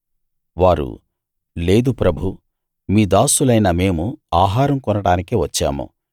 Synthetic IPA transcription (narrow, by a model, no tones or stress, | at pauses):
ʋaːɾṵ | le̞ːd̪upɾɐbʱu | miːd̪aːsulɐjnɐme̞ːmuaːɦaːɾɐmkɔnɐɽaːnikiʋɐt͡ʃːa̰ːmṵ